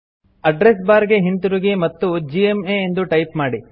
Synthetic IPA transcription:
ɐɖɾes̬baːɾɡe̞ɦint̪uɾuɡemɐt̪ːud͡ʒiemeːnd̪uʈɐjpmaːɽi

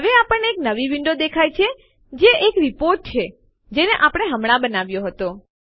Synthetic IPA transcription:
ɦəʋeapəɳneːknəʋiʋiɳɖod̪ekʰajt͡ʃʰe | d͡ʒeʔekɾipoɾʈ̚t͡ʃʰe | d͡ʒeneʔapɽ̃eɦəmɽ̃abənaʋjoɦət̪o

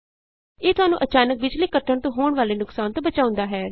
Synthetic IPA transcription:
eːt̪ʊaːnṵ̃ːʔət͡ʃaːnək̚ʋɪt͡ʃliːkəʈʰːəɳt̪õːɦoːɳʋaːleːnʊksaːnt̪õːbət͡ʃaːʊ̃nd̪aːɦɛː

